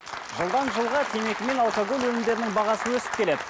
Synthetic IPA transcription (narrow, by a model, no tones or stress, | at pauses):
ʒəlˠd̪ɑnʒəlˠʁɑt̪ʰe̞me̞kʲɪme̞nɑlˠkaɡolwɵlɪmd̪e̞ɾɪnɪŋbɑʁɑsənwɵsɪ̥p̚kʲele̞d̪ɪ